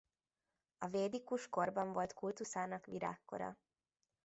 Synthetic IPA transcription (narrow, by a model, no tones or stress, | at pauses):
ɒveːd̪ikuʃko̞rbɒɱvo̞lt̪kult̪usaːnɒkʋiɾa̰ːkːo̞̰ɾɒ̰